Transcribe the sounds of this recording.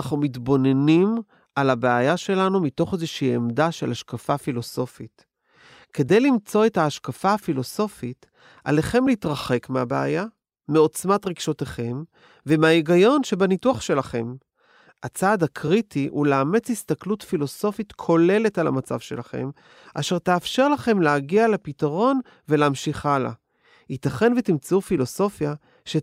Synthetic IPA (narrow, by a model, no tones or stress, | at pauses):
aχnumitbo̞ne̞nim | alabeajaʃe̞lanumito̞χezeʃiːemdaʃe̞laʃkafafilo̞so̞fit | ke̞de̞jlimt͡so̞e̞thaːʃkafaːfilo̞so̞fit | ʔa̰le̞χe̞mleitʁaχe̞kmeabeaja | meo̞t͡smatʁiɡʃoteχe̞m | vemeaiɡajo̞nʃe̞banituaχʃe̞laχe̞m | at͡saːdakʰʁitiʔuleːme̞t͡shist̪aklutfilo̞so̞fitkʰo̞le̞le̞tala̰mat͡sa̰vʃe̞laχe̞̰m | ʔaʃe̞ʁteafʃe̞ʁlaχe̞mleaɡialepitaʁo̞n | veleːmʃiχala̰ | hit̪aχe̞nvet̪imt͡seufilo̞so̞fja | ʃe